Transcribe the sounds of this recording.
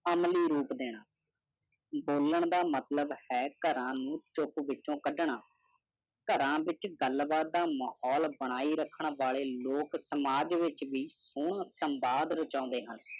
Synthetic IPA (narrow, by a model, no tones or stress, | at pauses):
əmliːɾuːpd̪eːɽ̃aː | boːləɳd̪aːmət̪ləbhɛːkəɾãːnũːt͡ʃʊpʋɪt͡ʃʃõːkəɖɳaː | kəɾãːʋɪt͡ʃɡəlbaːt̪̚d̪aːmahɔːlbəɽ̃aːiːɾəkʰːəɳʋaːleːloːksəmaːd͡ʒʋɪt͡ʃʋiːsʊːɳ̃ãːsəmbaːd̪ɾət͡ʃãːnd̪eːɦən